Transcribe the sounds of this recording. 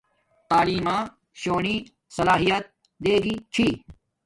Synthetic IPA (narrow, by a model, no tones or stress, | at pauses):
t̪aːliːmãː | ɕoːɳiː | sɐlaːɦijɐt̪̚ | d̪eːɡiːt͡ɕʰiː